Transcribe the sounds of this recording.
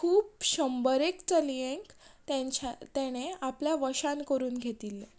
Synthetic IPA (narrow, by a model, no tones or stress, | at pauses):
kʰuːpɕəmbəɾekt͡səlijẽŋkt̪et͡ɕat̪ɛɽ̃eapljaʋəɕankəɾuːnɡʱet̪ile